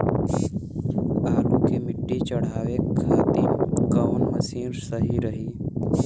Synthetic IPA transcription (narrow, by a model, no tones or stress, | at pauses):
aːluːkeːmɪʈːit͡ʃəɽ̤aːʋekʰaːt̪iːɡəʊnməsiːɾsəɦiɾəɦiː